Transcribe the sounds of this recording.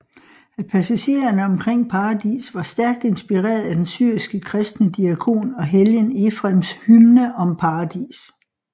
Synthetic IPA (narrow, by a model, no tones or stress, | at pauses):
æpʰæsæɕe̝̰ːɐnəɒ̽mkʰʁeŋ̰pʰɑ̈ːɑd̥ḭːsʋɑ̈sd̥æɐɡ̥̚d̥e̝nsb̥iʁɛ̰ːɐðˠæd̥ensyɐ̰isɡ̥əkʰʁɛsd̥nəd̥iækʰo̝̰ːnɒ̽ɦeljənefʁamshylnəʔɒ̽mpʰɑ̈ːd̥ḭːs